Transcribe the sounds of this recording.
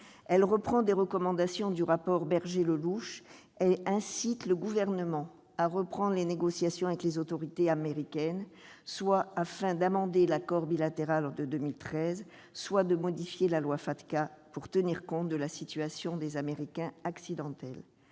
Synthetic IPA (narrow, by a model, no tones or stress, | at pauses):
ɛlʁəpχɑ̃d̪eʁəkɔmɑ̃d̪asjɔ̃d̪yʁapɔʁbɛʁʒeləluʃ | ɛlɛ̃sit̪ləɡuvɛʁnəmɑ̃ | aʁəpχɑ̃d̪ʁleneɡɔsjasjɔ̃avɛklezot̪ɔʁit̪eameʁikʲɛn | swaːfɛ̃d̪amɑ̃d̪elakɔʁbilat̪eʁalɔd̪əd̪ømilt̪χɛz | swad̪əmɔd̪ifjelalwafat̪kapuʁt̪əniʁkɔ̃t̪̚d̪əlasit̪yasjɔ̃d̪ezameʁikʲɛ̃aksid̪ɑ̃t̪ɛl